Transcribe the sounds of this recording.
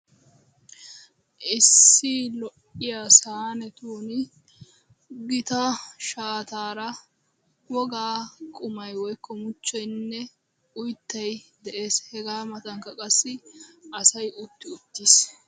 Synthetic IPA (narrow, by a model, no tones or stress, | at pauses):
ʔɪsːɪlɔʔɪjasaːnɛt̪uːnɪ | ɡɪt̪ɐʃaːt̪aːɾɐ | wɔɡaːkʼʊmɐjwɔjkʰːɔmʊt͡ʃːɔjnːɛ | ʊjt̪ːɐjd̪ɛʔe̞ːshɛɡaːmɐt̪ɐŋkɐkʼɐsːɪɐsɐjʊt̪ːɪʊt̪ːiːs